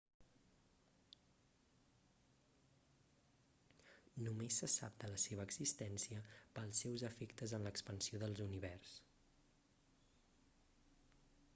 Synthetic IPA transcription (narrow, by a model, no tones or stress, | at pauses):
numesːəsa̰p̚d̪ələseβəːɡz̥ist̪ɛnsiəpəlˠsɛwzəfɛkt̪əzənləkspənsioðəlˠzuniβɛrs